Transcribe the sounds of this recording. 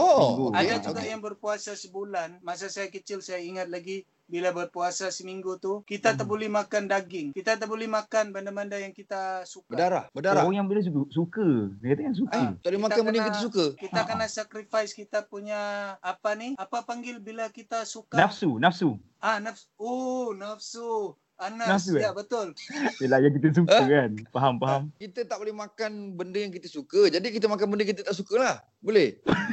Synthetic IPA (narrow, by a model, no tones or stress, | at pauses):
oɡuadad͡ʒuɡaʔjaŋbərpuasasəbulanmas̬asajakət͡ʃɪlsajaiŋat̪̚laɡi | bilabərpuasasəmiŋɡut̪ukit̪at̪əʔbolɛhmakandaɡɪŋkit̪at̪̬əbolɛhmakanbandanmbandajaŋkit̪asukbəadaɾahbədaɾajabilɛs̬ukəsukəkit̪ajaŋs̬ukət̪adiimak̪t̪abənŋkkias̬ukəkit̪akənasakɾifajskit̪apuɲaːpaniapapaŋɡɪlbilakit̪asukaafsunafsu | anafsonafsu | ananas̬uabət̪ʊljəlahjaŋk̬it̪̬əs̬ukəkanpaɦampaɦamkit̪ət̪aʔbolɛmakanbəndəjaŋk̬it̪əsukəd͡ʒadikit̪əmak̬anbəndəkit̪̬ət̪aʔsukəlah | bolɛh